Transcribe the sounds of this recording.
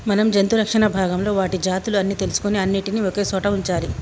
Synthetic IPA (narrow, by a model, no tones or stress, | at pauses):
mɐnɐmd͡ʒɐnt̪uɾɐkʂɐɳɐbʱaːɡɐmlo̞ːʋaːʈid͡ʒaːt̪uluɐnːiːt̪e̞lusu̥kuniɐnːiʈinioke̞ːsɔːʈɐuɲt͡ʃaːli